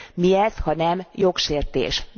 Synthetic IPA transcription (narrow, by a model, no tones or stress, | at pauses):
miɛzhɒnɛmjo̞kʃeːrt̪ḛːʃ